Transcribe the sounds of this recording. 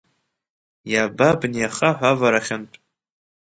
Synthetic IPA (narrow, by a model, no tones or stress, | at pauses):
jababnijaχaħʷavaɾaχʲanpʼ